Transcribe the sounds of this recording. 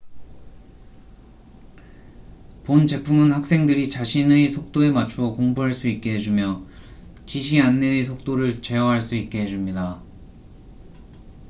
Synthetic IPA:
pont͡ɕe̞pʰumɯnhak̚s͈e̞ŋdɯɾit͡ɕaɕʰinesʰok̚t͈oe̞mat͡ɕʰuokoŋbuɦaɭs͈uit̚k͈e̞ɦed͡ʑumjʌ | t͡ɕiɕ̬ʰianːesʰok̚t͈oɾɯɭt͡ɕe̞ʌɦaɭs͈uit̚k͈e̞ɦe̞d͡ʑumɲida

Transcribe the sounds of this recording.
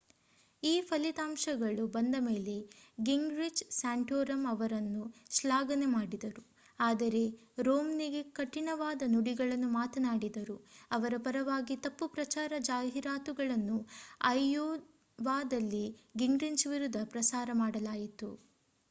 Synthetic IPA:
iːpʰɐlit̪aːmʂɐɡɐɭubɐnd̪ɐmeːle̞ɡiŋɡɾid͡ʒsaːɳʈjoːɾɐmɐʋɐɾɐnːuʃlaːɡɐnemaːɽid̪ɐɾu | aːd̪ɐɾe̞ | ɾoːmniɡe̞kɐʈːiɳɐʋaːd̪ɐnuɽiɡɐɭɐnːumaːt̪ɐnaːɽid̪ɐɾuɐʋɐɾɐpɐɾɐʋaːɡit̪ɐpːupɾɐt͡ʃaːɾɐd͡ʒaːɦiɾaːt̪uɡɐɭɐnːuɐjoː | ʋaːd̪ɐlːiɡiŋɡɾint͡ʃʋiɾud̪ʱːɐpɾɐsaːɾɐmaːɽɐlaːjit̪u

